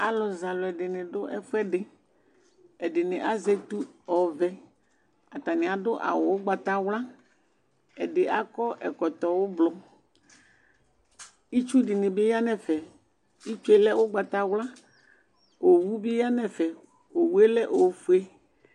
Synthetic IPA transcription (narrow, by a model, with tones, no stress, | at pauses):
a˦lɔ˨za˨lʊ˨ɛ˨ɖɪ˨nɪ̃˨ɖʊ˦ʔɛ˦fʊ˦ɛ˦ɖɪ˨ | ɛ˨ɖɪ˨nɪ̃˨ʔa˦zɛ˦t̪u˦ɔ˨vɛ˦ | a˨t̪a˨nɪ̃˨a˨dʊ˦ʔa̰˨wʊ˨wʊ˦ɡ͡ba˨t̪a˦wla˦ | ɛ̰˨ɖɪ˨ʔa˦kɔ˦ʔɛ̰˨kɔ˨t̪ɔ˨wʊ˦blɔ˨ | i˦t͡ʃu˦dɪ˨nɪ̃˨bɪ˦ja˦nɛ˨fɛ˨ | i˦t͡ʃu˦e˦lɛ˦wʊ˦ɡ͡ba˨t̪a˨wla˦ | o˨wu˦bi˦ja˦nɛ˨fɛ˨ | o˨wu˦e˦lɛ˦ʔo˨fu˦e˦